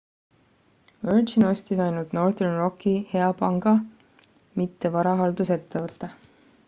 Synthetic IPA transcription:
vøɾʒino̞st̪isɑjnult̪no̞rθernro̞kːˑihe̞ɑpɑŋɡ̥ɑ | mit̪ːe̞vɑɾɑɦɑld̪̥use̞t̪ːevɤt̪ːˑɑ

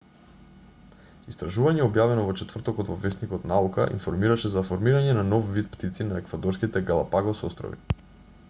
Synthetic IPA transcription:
ist̪ɾaʒuvaɲɛobjavɛnɔvɔt͡ʃɛt̪vr̩t̪ɔkoɔt̪vovɛsnikɔt̪nauka̰ʔḭnfɔɾmiɾaʃɛzafoɾmiɾaɲɛnanɔfvit̪̚pt̪it̪sinaɛkvad̪ɔɾskit̪ɛɡalˠapaɡɔsɔst̪ɾo̰vḭ

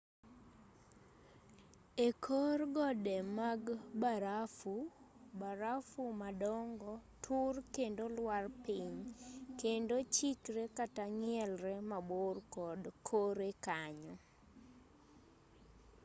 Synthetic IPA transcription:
ekʰorɡɔdɛmaɡbaɾafubaɾafumadɔŋɡɔtʰurkendolwarpiɲkendot͡ʃikɾekataŋɪɛlɾɛmaborkɔdkʰoɾekaɲɔ

